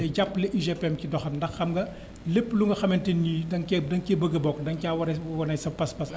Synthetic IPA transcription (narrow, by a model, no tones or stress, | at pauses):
ɛɟapːlɛʔiʒepeɛmkidɔxɐmndɐxːɐmɡɐ | lepːluŋɡɐxɐmɛntenːiːdɐŋkɛdɐŋkebəɡɐbɔkːdɐŋcaːwɐɾɐwɐnɐɲsɐpɐspɐs